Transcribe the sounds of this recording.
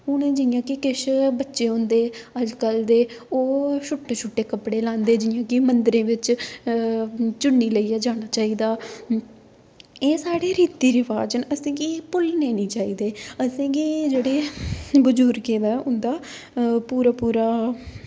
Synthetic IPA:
ʊnẽːd͡ʒɪjãːkɪkɪʃbətːʃeːɦõːnd̪eːəd͡ʒkəld̪eːoːʃʰʊʈːeʃʰʊʈːeːkəpɽeːlãːnd̪eːd͡ʒɪjãːkɪmənd̪əɾẽːʋɪt͡ʃ | t͡ʃʊɳːiːləiːɛːd͡ʒaːɽ̃aːt͡ʃaːiːd̪aː | eːsaːɽeːɾiːt̪iːɾɪʋaːd͡ʒənəsẽːkipʊlneːnĩːt͡ʃaːiːd̪eːəsẽːkid͡ʒeːɽeːbʊd͡ʒʊɾkẽːd̪aʊ̃nd̪aː | puːɾaːpuːɾaː

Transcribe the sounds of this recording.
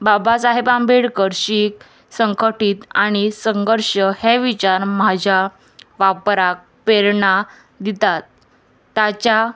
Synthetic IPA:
babasaɦebambʱeɽkəɾɕiːk̚ | səŋkʰəʈiːt̪aɽ̃isə̃ŋɡəɾɕəheʋit͡ɕaɾmad͡ʑʱa | ʋapɾak̚ | peɾɳa | d̪it̪at̪ː | at͡ɕa

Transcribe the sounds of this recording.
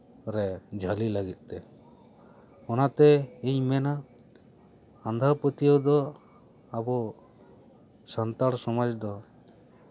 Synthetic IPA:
ɾɛd͡ʒʱalilaɡit̪̚ˀt̪ɛ | ɔnat̪ɛiɲmɛna | nd̪ʱapət̪iɔd̪ɔ | abɔ | sant̪aɽsɔmad͡ʒd̪ɔ

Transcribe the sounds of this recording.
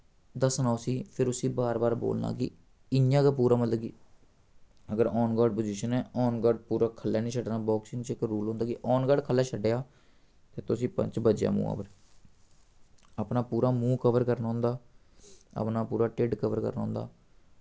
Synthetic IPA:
d̪əsnaːʊsĩːpʰɪɾʊsĩːbaːɾbaːɾbo̰ːlna̰ːkɪ̰ | ɪnjãːkaːpuːɾaːmət̪ləbɡiː | əɡəɾɔːnɡaːɖ̚poːd͡ʒiːʃənɛːɔːnɡaːɖpuːɾaːkʰəlːɛːnĩːʃʰəɖnaːbɔːksɪ̃ŋt͡ʃɪkɾuːlɦõːnd̪aːkiʔɔːnɡaːɖkʰəlːɛːt͡ʃʰəɖeːaː | t̪eːt̪ʊsĩːpə̰̃ɲt͡ʃbəd͡ʒja̰ːmṵːa̰ːpəɾ | əpnaːpuːɾaːmũːkəʋəɾkəɾnaːɦʊ̃ːnd̪aː | ə̰pnaːpuːɾaːʈɪɖkəʋəɾkə̰ɾnaːɦʊ̃ːnd̪a̰ː

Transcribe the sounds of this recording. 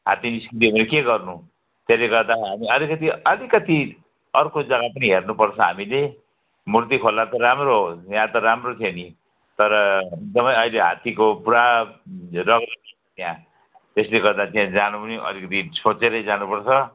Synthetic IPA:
ɦat̪iniskrit̪̬iʌmeɾekeɡʌrnu | t̪eleɡʌrd̪aɦamiʌlikʌt̪iʌlikʌt̪i | ʌrkod͡zʌɡapʌniɦernupʌrt͡sʰʌɦa̰mile | murt̪ikʰolːat̪ʌɾamrojãt̪ʌɾamrot̪ʰjeni | t̪ʌɾʌek̚d̪ʌmʌjʌjleɦa̰t̪ikopuɾa | rʌɡrʌtʌt͡sʰʌt̪ijã | t̪esleɡʌrd̪at̪ijãd͡zanupʌniʔʌ̰likʌt̪isʰot͡seɾʌd͡zanupʌrt͡sʰʌ

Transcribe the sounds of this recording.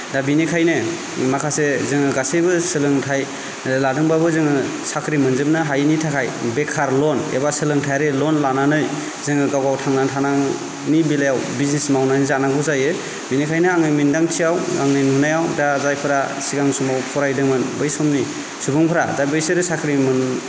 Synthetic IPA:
dabinikʰajnɯ | makʰasezɯŋɯɡasejbɯsɯlɯŋtʰaj | ladɯŋbabɯzɯŋɯ | sakʰɾimɯnzɯpnɯɦajnitʰakʰajbekʰaɾlɔnḛbasɯlɯŋtʰajɾelɔnlananɯj | zɯŋɯɡawɡawtʰaŋnantʰanaŋ | nibilajawbiznismawnanizanaɡuzajɯ | minikʰajnɯaŋɯmindaŋtʰijawa̰ŋnɯnmunajawdazajpʰɯɾasiɡaŋsumawpʰɔɾajdɯŋmɯnbɯjsɔmni | subɯŋpʰɯɾazajbɯjseɾɯsakʰɾimɯn

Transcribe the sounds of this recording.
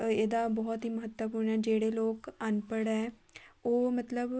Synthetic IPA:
eːd̪aːbɔːt̪ɦiːməɦət̪wəpuɾɳɛːd͡ʒeːɽeːloːkənpəɽɛː | oːmət̪ləb

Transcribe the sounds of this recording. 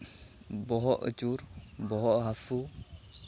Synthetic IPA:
bɔɦɔʔə̰t͡ʃuɾbɔɦɔʔɦafu

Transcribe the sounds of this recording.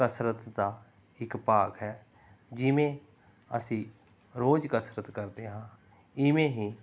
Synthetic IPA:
kəsɾət̪d̪aː | ɪkpaːkɦɛː | d͡ʒɪʋẽː | əsĩː | ɾoːd͡ʒkəsɾət̪kəɾd̪eːɦãː | ɪʋẽːɦĩː

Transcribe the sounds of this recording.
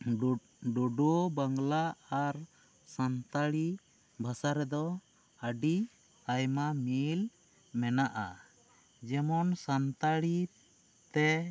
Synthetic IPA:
ɖoɖobaŋlaaɾ | sant̪aɽi | bʱasaɾɛd̪ɔ | əɖi | ajmamil | mɛnaʔa̰ | d͡ʒɛmɔnsant̪aɽi | t̪ɛ

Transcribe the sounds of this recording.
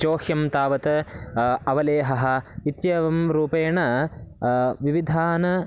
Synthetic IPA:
t͡ʃoːhjɐmt̪aːʋɐt̪ɐ | ɐʋɐleːɦɐɦɐ̆it̪jɐʋɐmɾuːpeːɳɐ | ʋiʋid̪ʱaːnɐ

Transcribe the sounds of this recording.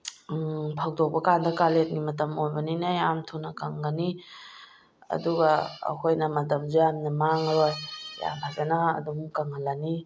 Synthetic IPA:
pʰak̚dok̚bɐkandɐkalet̚ŋimɐtɐmojbɐninajamtʰunɐkaŋɡɐni | ɐ̰duɡɐ̰ːkʰojnɐmɐt̬ɐmzujamnɐmaŋɾojja̰mpʰazanɐɐ̰dumkaŋalani

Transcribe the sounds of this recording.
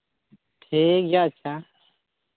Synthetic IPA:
ʈʰeːkjaːətːɕʰaː

